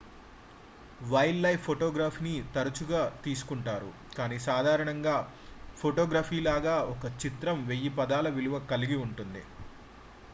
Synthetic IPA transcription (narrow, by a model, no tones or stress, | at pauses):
ʋɐjlːɐjpʰːoʈoːɡɾaːpʰnit̪ɐɾɐt͡ʃuɡaːt̪iːsu̥kuɳʈaːɾṵ | kaːniːsaːd̪ʱaːɾɐɳɐŋɡaː | pʰoʈoːɡɾaːpʰiːlaːɡaːɔkɐt͡ʃit̪ɾɐmʋejːipɐd̪aːlɐʋiluʋɐkɐliɡiuɳʈund̪ḭ